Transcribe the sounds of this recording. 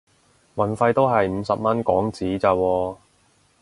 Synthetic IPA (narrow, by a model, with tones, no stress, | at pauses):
wɐ˨nfɐ˧jt̪o˥wɦɐ˨jm̩˨˧sɐ˨p̚mɐ˥nkɔ̰ː˨˥ŋt͡siː˨˥t͡saː˧wɔː˧